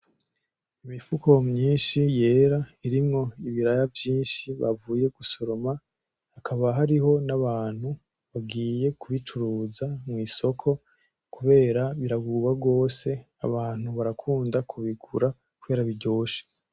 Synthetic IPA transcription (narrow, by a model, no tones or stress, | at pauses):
imifuko̞mɲiːnʃije̞ːɾaiɾimŋo̞iβiɾajavjiːnʃiβa̰vuːje̞ɡuso̞ɾo̞ma | hakʰaβaɦaɾiɦo̞naβaːn̥hu | βaɡiːje̞kʰuβit͡ʃuɾuːzamŋwiːso̞kʰo̞ | kuβe̞ːɾaβiɾaɡuβabɡo̞ːse̞ | a̰βaːn̥huβaɾakʰuːndakʰuβikʰuɾa | kuβe̞ːɾaβiɟo̞ːʃe̥